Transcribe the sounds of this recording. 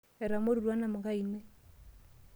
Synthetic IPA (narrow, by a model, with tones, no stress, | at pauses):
e˨ɾa˨mo˦ɾi˨ɾwa˦na˨mu˨ɡa˦inwe˦